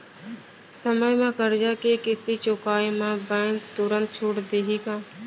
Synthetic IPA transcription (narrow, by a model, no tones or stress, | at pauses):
səməjmãkəɾd͡ʒaːkekɪst̪it͡ʃoːkaːimãbɛ̃ːŋkt̪ʊɾə̃nt̪̚t͡ʃʰuːʈd̪eɦiːkãː